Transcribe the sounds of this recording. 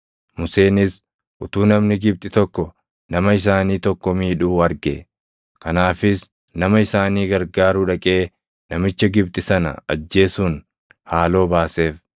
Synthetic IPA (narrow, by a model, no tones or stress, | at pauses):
mʊse̞ːnɪs | ʔʊt̪uːnɐmnɪɡɪb̚t̪ʼɪt̪ɔkːɔ | nɐmɐɪs̬aːniːt̪ɔkːɔmiːᶑuːɐɾɡe | kɐnaːfɪs | nɐmɐɪsaːniːɡɐɾɡaːɾuːᶑɐkʼe̞ː | nɐmɪt͡ʃːɐɡɪb̚t̪ʼɪsɐnɐ̰ɐ̰d͡ʒːe̞ːsuːn | haːlo̞ːbaːse̞ːf